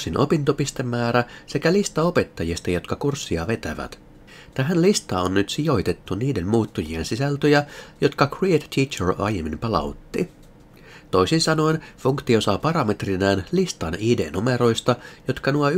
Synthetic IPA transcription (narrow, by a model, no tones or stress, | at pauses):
sinʔopint̪opist̪e̞mːæːɾæse̞kælist̪ɑo̞pet̪ːɑjist̪ɑjo̞t̪kɑkursːiɑ̰ʋe̞t̪æ̰ʋæ̰t̪ | t̪æɦænlist̪ɑːonːnyt̪sijo̞jt̪e̞t̪ːuniːde̞mmuːt̪ːujiensisælt̪øjæjo̞t̪kɑkriet̪tːiːt͡ʃeɹɑ̰jemːimpɑlɑ̰ut̪ːi | t̪o̞isinsɑno̞infuŋkt̪io̞sɑpɑɾɑme̞t̪rinæːnlist̪ɑniːde̞̰ːnume̞ɾo̞jst̪ɑjo̞t̪kɑnuɑ